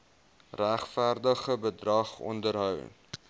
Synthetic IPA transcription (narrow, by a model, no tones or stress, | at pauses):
ræχfærdəχəbədrɐχɔ̰ndərɦœw